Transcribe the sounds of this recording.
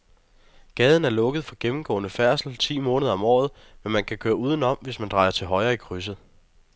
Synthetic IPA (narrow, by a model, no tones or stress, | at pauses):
ɡ̥ɛːð̞ˠn̩æɐlɔ̽ɡ̥əð̞̩ˠfɒ̽ɡ̥emm̩ɡ̥ɔ̰̽ːnəfæɐ̰sl̩t͡sʰḭːmɔ̽ːnəðˠɐɒ̽mɒ̰ːð̞̩ˠ | menmænkʰækʰøːɐuːð̞ˠn̩ɒ̽m̰ʋe̝smænd̥ʁɑ̈ɪɐt͡sʰe̝lɦɒ̽ɪɐːikʰʁys̬əð̩ˠ